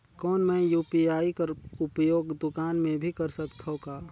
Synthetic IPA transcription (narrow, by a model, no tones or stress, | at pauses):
kɔːnmɛ̃juːpiaːikɐɾʊpjoːɡd̪ʊkaːnmẽbʱikɐɾsɐkt̪ʰɦõkaː